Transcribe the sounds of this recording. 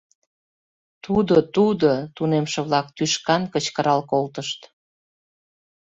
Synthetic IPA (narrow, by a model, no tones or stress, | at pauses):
t̪ud̪ot̪ud̪ot̪unemʃĕβlɑk̚t̪yʃkɑnkət͡ɕkəɾɑlkolt̪əʃt̪